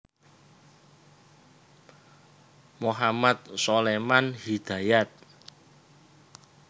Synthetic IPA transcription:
moɦamat̪̚solemanhid̪̥a̤jat̪̚

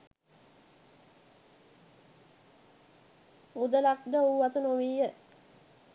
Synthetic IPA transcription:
ud̪əlak̚d̪əoʋat̪ənoʋijə

